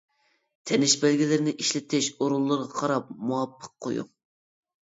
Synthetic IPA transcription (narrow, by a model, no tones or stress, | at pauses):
t̪ʰɛnɪʃbælɡʲilɪɾɪnɪʔiʃlɪt̪ʰɪʃoɾulˠːəɾʁɑqʰɑɾɑp̚muɑpːə̥q̚qʰːo̰jṵ